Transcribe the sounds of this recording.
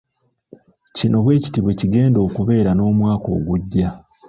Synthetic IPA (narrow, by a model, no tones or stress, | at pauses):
cino̞βwe̞ːci̥tiβwe̞ciɡe̞ːndo̞ːkuβe̞ːɾano̞ːmwaːko̞̰ːɡuɟːa